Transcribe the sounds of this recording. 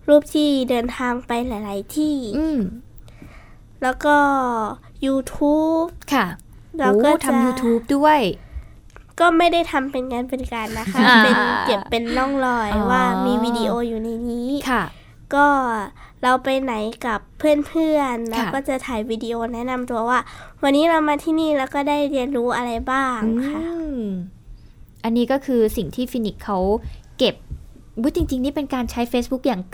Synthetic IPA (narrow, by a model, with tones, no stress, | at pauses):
ɾuː˥˩p̚t̪ʰiː˧˥˩dɤː˧nt̪ʰaː˧ŋpa˧jla˨˦jla˨˩˦jt̪ʰiː˥˩ | lɛː˦˥wkɔː˥˩ | juː˧t̪ʰuː˦˥p̚kʰa˥˩ | lɛː˧wkɔː˥˩t̪ʰa˧a˧mjuː˧t̪ʰuː˦˥p̚du˥˩əj | kɔː˥˩ma˥˩jda˥˩jt̪ʰa˧mpe˧nka˧npe˧nka˧nːa˦˥kʰa˦˥˧pe˧nt͡ɕe˨˩pːe˧nːɔ˥˩ŋlɔː˧˩jwaː˧˥˩miː˧wiː˧di˧ʔoː˧juː˨˩na˧jniː˦˥kʰa˥˩ | kɔː˥˩ɾa˧wpa˧jna˩˦jka˨˩pʰːɯ˥˩ənpʰɯ˥˩ənlɛː˦˥wkɔː˥˩t͡ɕa˨˩t̪ʰaː˨˩jwiː˧diː˧ʔoː˧nɛ˦˥na˧mt̪u˧ɐwaː˥˩wa˧nːiː˦˥ɾa˧wmaː˧t̪ʰiː˥˩niː˥˩lɛː˦˥wkɔː˥˩daː˥˩jɾi˧ənɾuː˦˥ʔa˧ɾa˧jbaː˥˩ŋɯkʰa˥˩ | ʔa˧nːiː˦˥kɔː˥˩kʰɯː˧si˨˩ŋt̪ʰiː˥˩fi˧ni˦˩kʰːa˦˥wke˨˩p̚ | ɯ˦˥t͡ɕi˧ŋt͡ɕi˧ŋniː˥˩pe˧nkaː˧nt͡ɕʰa˦˥jfeː˦˥bu˦˥k̚jaː˨˩ŋ